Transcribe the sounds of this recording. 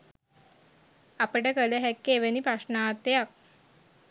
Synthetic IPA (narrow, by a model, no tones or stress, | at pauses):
apəɽekəleɦɛkːeʋenipaʂnat̪jak̚